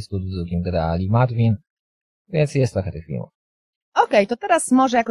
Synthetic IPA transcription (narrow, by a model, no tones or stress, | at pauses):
st̪ud̪ud̪ukʲimɡɛɾɛalʲimad̪vʲin | vʲjɛnt̪sjɛst̪ːɾɔxɛt̪ɘxfʲḭlmṵf | ɔkɛjt̪ɔt̪ɛɾasmɔʐɛjakɔ